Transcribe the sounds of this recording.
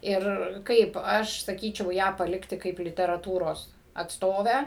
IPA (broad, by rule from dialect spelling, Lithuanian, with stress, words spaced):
ˈɪr ˈkɐɪp ˈɐʃ sɐˈkʲiːt͡ʃʲɛʊ ˈjæː pɐˈlʲɪktʲɪ ˈkɐɪp lʲɪtʲɛrɐˈtuːroːs ɐtsˈtoːʋʲæː